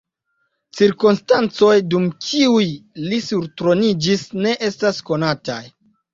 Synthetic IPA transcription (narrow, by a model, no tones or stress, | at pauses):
t͡siɾkunstant͡so̞jdumkʰiujlisuɾtɾo̞nid͡ʒisne̞ʔe̞stasko̞nata̰j